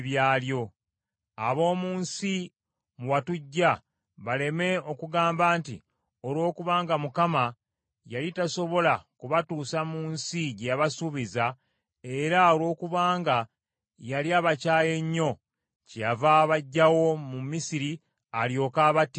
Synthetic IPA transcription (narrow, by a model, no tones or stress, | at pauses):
βjaːljo̞ | aβo̞ːmuːnsi | muwatuɟːa | βale̞me̞o̞kuɡaːmbaːnti | o̞lwo̞ːkuβaːŋɡamukama | jalitaso̞βo̞lakuβatuːsamuːnsiɟejaβasuβiza | eɾaolwo̞ːkuβaːŋɡa | jaliaːβacaːje̞ɲːo̞ | cejavaːβaɟːawo̞mumisiɾi | aljo̞ːkaːβat